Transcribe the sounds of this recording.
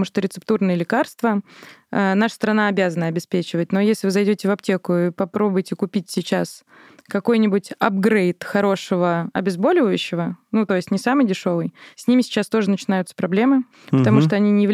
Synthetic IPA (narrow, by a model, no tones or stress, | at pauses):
muʂt̪oɾʲɪt̪sɨpt̪urnɨjəlʲɪkarst̪vəanaʂəst̪əɾɐnaɐbʲazənəɐbʲɪspʲet͡ɕɪvət̚ʲno̞jesʲlʲɪvɨzɐjdʲotʲɪvɐptʲe̞kʊipɐpɾo̞bʊjtʲɪkʊpʲitʲsʲɪt͡ɕːas | kɐko̞jnʲɪbʊtʲɐb̚ɡɾejt̪xɐɾo̞ʂəvəɐ̰bʲɪzbo̞lʲɪvəjʉɕːɪvənut̪o̞jɪsʲtʲnʲɪsamɨjdʲɪʂo̞vɨjsʲnʲimʲɪsʲɪ̥t͡ɕast̪o̞ʐɨnət͡ɕɪnajʊt̪sə̥pɾɐblʲe̞mɨ | pət̪ɐmuʂt̪oɐnʲinʲɪvʲ